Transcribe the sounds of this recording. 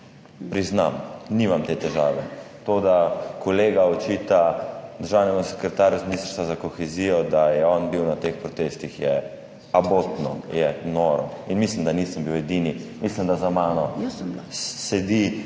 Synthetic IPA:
pɾizna̰mnimamt̪eːt̪ɛʒaːʋɛ | t̪od̪akʰɔleːɡaɔt͡ʃit̪ad̪əɾʒaːwnɛmɔsɛ̥kɾɛt̪aːɾjuzminiːst̪əɾst̪ʋazakɔxɛziːjɔd̪ajɛɔnbiwnat̪expɾɔt̪eːst̪ixjɛ | abot̪nɔ̰jɛnɔɾɔ̰inmislimd̪aniːsəmbiwɛd̪inimislimd̪azamaːnɔ | sɛd̪i

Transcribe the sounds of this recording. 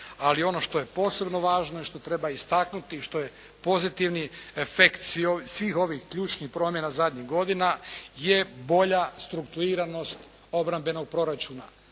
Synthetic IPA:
alio̞no̞ʃt̪o̞je̞po̞ːse̞bno̞ʋaːʒno̞iʃt̪o̞t̪ɾe̞baist̪aknut̪iːʃt̪o̞je̞ | po̞zit̪iʋniefekt̪sʋiosʋiːxo̞ʋixkʎuːt͡ʃnixpɾo̞ːmjenazad̪ɲiɣɡo̞d̪inaje̞bo̞ʎast̪ɾukt̪uɾiːɾano̞st̪ | o̞bɾambe̞no̞ɡ̚pɾo̞ɾat͡ʃuːna

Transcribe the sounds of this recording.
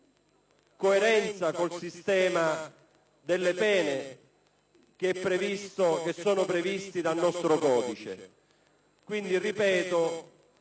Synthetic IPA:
koeɾɛnt̪sakolsist̪ɛːma | d̪elːepɛːne | k̟eɛpːɾevist̪oesːɔːnʊpɾevist̪id̪alnɔst̪ɾʊkɔːd̪it͡ʃḛ | kwind̪iripɛːt̪o

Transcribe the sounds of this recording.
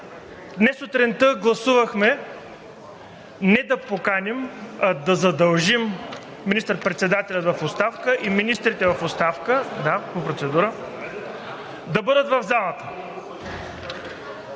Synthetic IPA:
d̪nɛsot̪ɾɛnt̪əɡlˠɐsuvɐxmɛ | nɛd̪ɐpokanʲɛmɐd̪ɐzɐd̪ɐlˠʒimː | inist̪əɾpɾɛt̪sɛd̪at̪ɛlʲɐt̪vɐfot̪st̪afkəʔiminist̪ɾit̪ɛvɐfot̪st̪afkəd̪apopɾot̪sɛd̪uɾə | d̪ɐbɤd̪ət̪vɐvzalˠɐt̪ə

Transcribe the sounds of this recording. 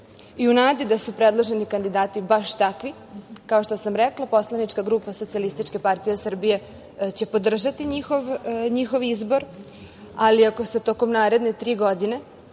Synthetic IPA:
iunaːd̪id̪asupɾed̪lˠoʒenikand̪id̪aːt̪ibaʃt̪akʋi | kao̞ʃt̪osamɾɛklˠapo̞slˠanit͡ʃkaɡɾuːpasot̪sialist̪it͡ʃke̞paɾt̪ijesr̩bije̞ | t͡ɕe̞po̞d̪r̩ʒat̪iɲixoʋɲixo̞ʋizbo̞ɾ | aliako̞set̪oko̞mnaːɾe̞d̪net̪ɾiːɡo̞d̪ine̞

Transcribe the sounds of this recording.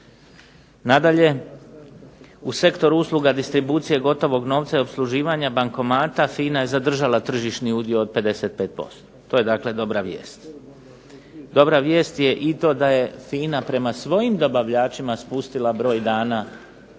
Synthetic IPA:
nad̪aʎe̞ | use̞kt̪o̞ɾuuːslˠuɡad̪ist̪ɾibuːt̪sije̞ɡo̞t̪o̞ʋo̞ɡno̞ːʋt̪saopslˠuʒiːʋaɲabaŋko̞maːt̪afiːnaje̞zad̪r̩ʒalat̪r̩ʒiʃniud̪ijoːd̪̚pe̞d̪e̞seːt̪̚pe̞ːt̪̚po̞̰st̪o̥t̪o̞ːje̞d̪akle̞d̪o̞bɾaʋjḛːst̪ | d̪o̞bɾaʋje̞ːst̪je̞ʔit̪o̞ːd̪aje̞fiːnapɾe̞masʋo̞jimd̪o̞baʋʎaːt͡ʃimaspust̪ilˠabɾo̞ːjd̪aːna

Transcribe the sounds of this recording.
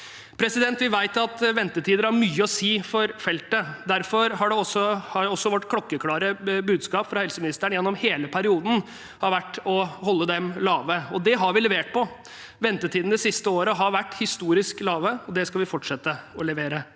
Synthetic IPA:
pʰɾɛsɪd̪ɛnt̪ʋɪʋæɪt̪ɑt̪ʋɛnt̪ət̪ʰiːd̪əɾæɾmyːəɔsiːfɔɾfɛlt̪əd̪æɾfɔɾɦɑɖɛɔsɔhɑɾɔsːɔʋɔʈːkʰlɔkːəkʰlɑːɾəbʉːd̪skɑːpfɾɑhɛlsəmɪnɪst̪æɳjɛnːɔmheːləpʰæɾɪuːd̪n̩ | hɑɾʋæʈːɔɦɔlːəd̪ɛmlɑːʋəɔd̪ɛɦɑɾʋɪlɛʋeːʈ̚pɔ | ʋɛnt̪ət̪ʰiːd̪n̩d̪ɛsɪst̪əoːɾəɦɑɾʋæʈːhɪst̪uːɾɪsklɑːʋəɔd̪ɛskɑlʋɪfɔʈʂɛt̪ːəɔlɛʋeːɾə

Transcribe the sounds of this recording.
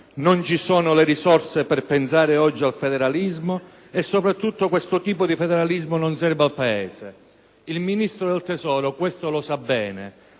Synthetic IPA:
nont͡ʃisoːnʊleɾisɔrsepɛrpensaːɾɪɔd͡ʒːialfed̪eɾalizmo | esːopɾat̪ːut̪ːokwest̪ʊt̪iːpod̪ifed̪eɾalizmʊnonsɛrvalpaeːse | ilminist̪ɾod̪elt̪esɔːɾokwest̪olosabːɛːne

